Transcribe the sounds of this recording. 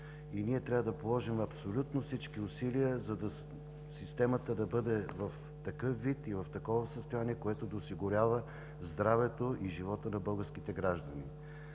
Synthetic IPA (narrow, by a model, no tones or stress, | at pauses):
iniɛt̪ɾʲavəd̪ɐpolˠɔʒimɐpsolʲut̪nofsit͡ʃkiʊsiliəzɐd̪ɐ | sist̪ɛmət̪əd̪ɐbɤd̪ɛvɐf | t̪ɐkɤfːit̪ivɐft̪ɐkɔvɐsəst̪ojaniɛkoɛt̪od̪ɐosiɡʊɾʲavə | zd̪ɾavɛt̪oʔiʒivɔt̪ənɐbɤlˠɡəɾskit̪ɛɡɾaʒd̪ɐnḭ